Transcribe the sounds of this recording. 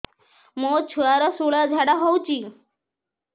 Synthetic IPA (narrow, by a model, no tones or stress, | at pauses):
mot͡ɕʰuɭaɾasuɭad͡zʱaɽaɦowt͡ɕiː